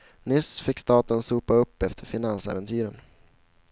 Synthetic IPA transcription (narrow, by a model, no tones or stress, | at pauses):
nʏsfɪkːst̪ɑːt̪ənsuːpaɵpːɛft̪ʰəɾfɪnansɛ̰ːvɛnt̪ʰyːɾən